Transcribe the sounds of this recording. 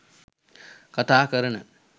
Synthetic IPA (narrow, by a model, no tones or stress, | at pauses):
kɐt̪aːkɐɾɐnɐ